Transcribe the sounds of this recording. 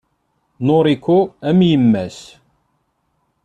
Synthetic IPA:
noɾˤikːuæmjəmːæs

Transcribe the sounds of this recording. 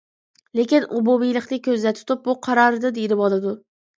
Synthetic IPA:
lekʲɪnʔʊbʊbijlˠɪqnɪkʲʰɵzlat̪ʰʊ̥t̪ʰɪp̚bʊqʰɑɾɒɾɪd̪ɨd̪ejɾɪpɒlˠɪd̪ʊ

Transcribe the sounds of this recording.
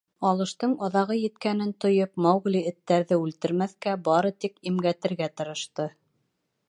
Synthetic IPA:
ɑlˠɤ̆ʃt̪ɤɴɑðɑʁɤjɘ̆t̪kænɘnt̪ŏjɤp̚mɑwɣliɘ̆t̪ːæɾðɘʉlt̪ɘ̆ɾmæθkæbɑɾɤt̪ikimɡæt̪ɘ̆ɾɡæt̪ɤ̆ɾɤ̆ʃt̪ɤ

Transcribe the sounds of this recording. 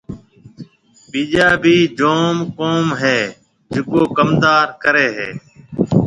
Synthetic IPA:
piːʄaːbʱiːd͡ʒoːmkoːmɦeː | d͡ʒɪkoːkəmd̪aːɾkəɾeːɦeː

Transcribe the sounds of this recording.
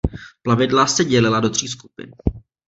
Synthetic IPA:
plavɪdlasɛɟɛlɪlado̞t̪r̝̥iːs̬ku̥pɪ̰n

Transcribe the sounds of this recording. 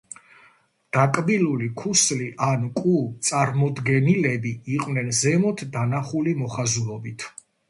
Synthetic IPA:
d̪̥akʼbilulikʰusliʔankʼut̪sʼaɾmɔd̪ɡɛnilɛbiiqʼwvnɛnzɛmɔt̪ʰd̪anaχulimɔχazulˠɔbit̪ʰ

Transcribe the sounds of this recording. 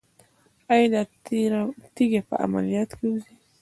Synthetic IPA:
ajd̪a | t̪iɡepa̰ʔa̰malijat̪keuzi

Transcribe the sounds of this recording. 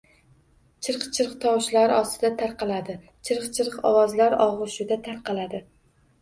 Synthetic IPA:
t͡ʃʰɨɾqt͡ʃʰɪɾqt̪ʰɒwʃlaɾɒst̪ɪd̪at̪ʰaɾqʰɑlad̪ɪ | t͡ʃʰɪɾqt͡ʃʰɪɾqɒ̰wɒzlaɾɒʁʊʃɪd̪at̪ʰaɾqʰɑlad̪ɪ

